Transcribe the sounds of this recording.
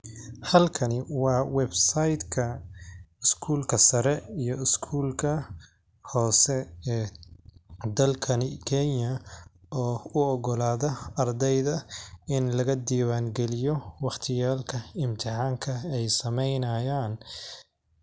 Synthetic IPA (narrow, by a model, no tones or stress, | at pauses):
hɐlkʰɐnɪwɑːwɛbsɐjd̪kʰɐ | ɪskʰuːlkʰɐsɐɾɛijɔɪskʰuːlkʰɐ | hɔːsɛɛː | d̪ɐlkʰɐnɪkʰɛnjɐɔːʊɔɣɔlaːðɐɐrd̪ɛjðɐɪnlɐɣɐd̪iːwaːŋɡɛlɪjɔwɑχt̪ʰɪjaːlkʰɐɪmt̪ʰɪħaːŋkʰɐɛjsɐmɛjnɐjaːn